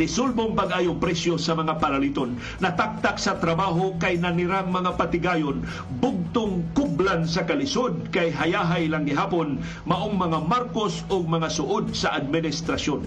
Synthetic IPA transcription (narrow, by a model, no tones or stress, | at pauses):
ɪsolboŋpɐɡʔaːjoŋpɾɛsjosɐmɐŋapɐɾɐlit̪onː | ɐt̪ak̚t̪aksɐt̪ɾɐbaːɦokajnɐnɪɾaŋmɐŋapɐt̪ɪɡaːjon | bʊɡ̚t̪ʊŋkʊblansɐkɐlɪsod̪̚kajɦɐjaːɦajlaŋɡɪɦaːpon | mɐʔoŋmɐŋamaɾkosoɡ̚mɐŋasʊʔod̪̚sɐʔad̪̚mɪnɪst̪ɾɐʃjon